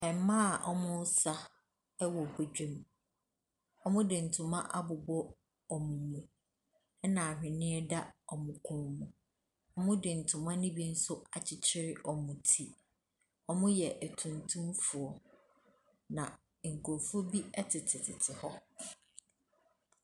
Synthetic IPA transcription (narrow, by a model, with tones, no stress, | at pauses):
ɛ˨m˦mã˦a˨ʔɔ˦mʊ̃˦sa˦ | ɛ˦wɔ˨hɛ˨d͡ʑᶣɛ˦m | ɔ˦mʊ̃˦dɪ˨n̩˨tʰʊ̃˨mã̰˦ʔa˦bʊ˨bɔ˦ | ɔ˨mʊ̃˨ɲũ˨ | ɛ˦nã˨hᶣɪ̃˨nɪ̃˦ɛ˦da˦ɔ˨mʊ̃˨kʰʊ̃˨mũ˨ | ɔ˦mʊ̃˦dɪ˨n̩˨tʰʊ̃˨mã˦nɪ̃˦bi˦n̩˦sʊ˦a˨t͡ɕʰɪ˨t͡ɕʰɪ˦ɾɪ˦ʔɔ˨mʊ̃˨tʰi˦ | ɔ˦mʊ̃˦jɛ˨ʔæ˨tʰũ˨ntʰũ˦mfʊ˨ɔ˨ | nã˨ | ŋ̩˨kʰʊ˨ɾfʊ˦bi˦ɛ˦tʰɪ˨tʰɪ˨tʰɪ˨tʰɪ˨hɔ˦